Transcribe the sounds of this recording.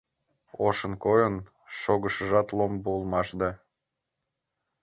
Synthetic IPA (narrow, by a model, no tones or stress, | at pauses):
oʃənkojən | ʃoɣəʃəʒɑt̪lˠombuːlˠmɑʃd̪ɑ